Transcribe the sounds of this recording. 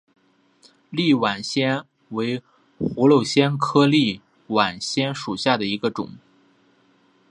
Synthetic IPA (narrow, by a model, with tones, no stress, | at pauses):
li˥˩wa˨˩nɕjɛ˥n | we˧˥ɪ | xu˧˥lo˥˩ʊɕjɛ˥nkʰɤ˥li˥˩ | wa˨˩nɕjɛ˥nʂu˨˩ɕja˥˩d̪ə˩i˧˥ɡə˧ʈ͡ʂʊ̰˨˩˦ŋ